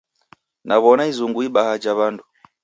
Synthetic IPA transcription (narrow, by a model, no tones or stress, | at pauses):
naβɔnaizuŋɡuiɓahad͡ʒaβandu